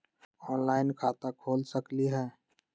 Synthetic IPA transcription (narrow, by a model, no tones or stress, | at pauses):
ɔːnlaɪnkʰaːt̪akʰoːlsəkliɦɛː